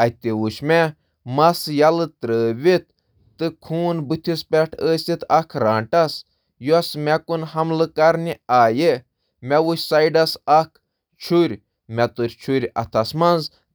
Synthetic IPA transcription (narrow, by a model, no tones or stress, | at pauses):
ɐt̪iwuʃmɛ | mɐsjɐlɨt̪ɾəːʋit̪̚ː | ɨkʰuːnbɨt̪ʰispʲɛʈʰəːsʲit̪ʰɐkʰɾaːɳʈɐs | juɐsmʲɛkunɦɐmlɨkɐɾniaːje | mʲɛʋuʃʲsɐjɖɐsɐkʰ | t͡ʃʰuɾʲ | mʲɛt̪uɾʲt͡ʃʰuɾʲɐ̰t̪ʰɐsmɐnz